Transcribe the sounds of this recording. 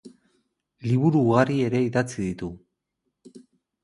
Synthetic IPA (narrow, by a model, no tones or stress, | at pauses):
liβuɾuːɣarie̞ɾe̞iðat͡siðit̪u